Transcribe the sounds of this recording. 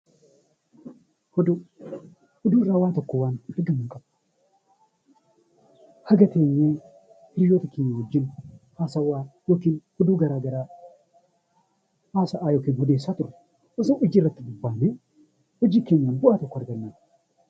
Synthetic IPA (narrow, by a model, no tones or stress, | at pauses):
hɔd̪ʊ | hʊd̪uːɪrːaːwaːt̪ɔkːɔwaːnɪɾɡɐmɐŋkʼɐb | hɐɡɐt̪eːɲːeː | hɪɾjoːt̪ɐkeːɲːɐnɔd͡ʒːɪnhaːsɐwaːjoːkinhɔd̪uːɡɐɾaːɡɐɾaː | haːsɐʔaːjoːkɪːnhɔd̪eːsːaːt̪ʊɾ | ʔɔsɔnɔd͡ʒɪrːɐt̪ːɪbʊbːaːnːe | hɔd͡ʒiːkeːɲːanbʊʔaːt̪ɔkːɐɾɡɐnːan